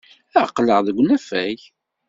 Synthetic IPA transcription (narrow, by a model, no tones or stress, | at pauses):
æqləʁðəɡʷːnæfæj